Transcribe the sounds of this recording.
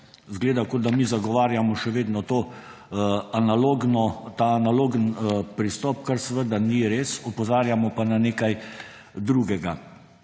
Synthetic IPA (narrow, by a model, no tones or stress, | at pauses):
zɡleːd̪akod̪amizaɡɔʋaːɾjamɔʃɛʋeːd̪nɔt̪oː | analoɡnɔt̪aːnaloːɡənpɾist̪ɔːp̚kəɾsɛʋəd̪aniɾeːsɔpɔzaːɾjamɔpananeːkaj | d̪ɾuːɡɛɡa